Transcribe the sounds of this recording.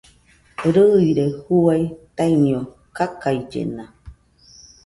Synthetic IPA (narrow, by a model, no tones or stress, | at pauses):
ɾɯiɾehuajt̪ainĩo | kakaid͡ʒḛna